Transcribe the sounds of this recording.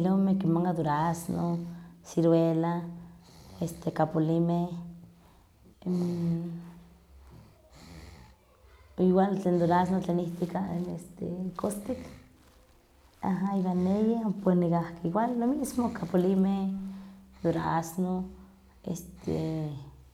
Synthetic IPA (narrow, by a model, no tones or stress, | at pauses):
lomekimaŋkad̪uɾaasnosiɾwela | est̪ekapolimeh | iwalt͡ɬeːnd̪oɾas̬not͡ɬeːniht̪ikaḛst̪ḛkost̪ik | aɦaiwanːejepenikahkewalːomismokapolimeh | d̪uɾaasno | ḛst̪ʰḛ